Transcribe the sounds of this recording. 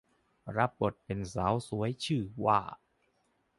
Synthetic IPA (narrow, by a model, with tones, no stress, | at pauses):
ɾa˦˥p̚ːo˨˩t̪̚pe˧nsaː˩˦˥wsu˩˦əjt͡ɕʰɯː˥˩wa̰ː˥˩